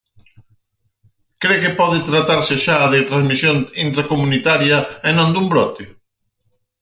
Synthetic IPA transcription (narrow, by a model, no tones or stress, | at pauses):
kɾekepɔðɪt̪ɾat̪aɾsɪʃaðɪt̪ɾazmisjonint̪ɾakomunit̪aɾjɐenõnd̪umbɾɔt̪ɪ